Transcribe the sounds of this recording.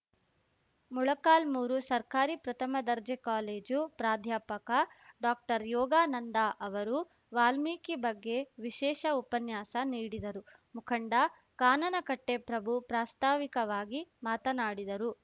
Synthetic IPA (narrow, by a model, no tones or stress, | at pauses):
muɭɐkaːlmuːɾusɐɾkaːɾipɾɐt̪ʰɐmɐd̪ɐɾd͡ʒekaːleːd͡ʒupɾaːd̪ʱjaːpɐkɐɖaːk̚ʈɐɾjɔːɡaːnɐnd̪aʔɐʋɐɾu | ʋaːlmiːkibɐɡːe̞ʋiʃɛːʃɐupɐnjaːsɐniːɽid̪ɐɾu | mukʰɐɳɖɐ | kaːnɐnɐkɐʈːepɾɐbʱupɾaːst̪ʰaːʋikɐʋaːɡimaːt̪ɐnaːɽid̪ɐɾu